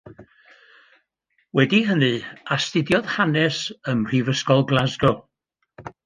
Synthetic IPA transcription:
wɛdiɦənɨastɪdjɔðhanɛsəmr̥ivəskɔlˠɡlˠazɡɔ

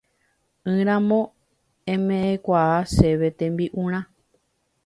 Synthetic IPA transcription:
ɨ̃ɾ̃ãmõ | ẽmẽʔẽkʷaaseʋe̞t̪ẽmbiʔũɾ̃ã

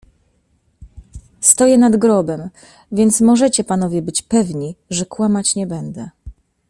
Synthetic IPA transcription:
st̪ɔjɛnad̪ɡɾɔbɛm | vʲjɛnt̪smɔʐɛt͡ɕɛpan̪ɔvʲjɛbɘt͡ɕpɛvɲiʐɛkwamat͡ɕɲɛbɛnd̪ɛ

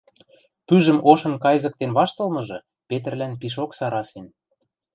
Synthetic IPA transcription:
pyʒə̆moʃɤ̆nkɑjzɤ̆k̚t̪enβɑʃt̪ɤ̆lmɤ̆ʒɤ̆ | pet̪̬ə̆rlænpiʃ̬oksɑɾɑsen

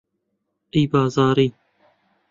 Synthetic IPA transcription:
ejbɑːzɑːɾiː

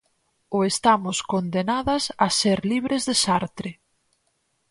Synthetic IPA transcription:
ʊest̪amʊskond̪enaðɐsaseɾliβɾezðesaɾt̪ɾɪ

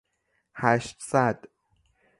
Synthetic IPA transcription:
hæʃt̪sæd̪̥

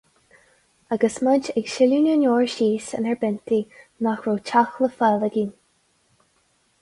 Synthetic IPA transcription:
aɡəsməd͡ʒɛɡʃɪluːnʲənoːɹʃiːsə̰nɛɹbɛnt̪inaxɹoːt͡ʃʰaxləfaːləɡiːn

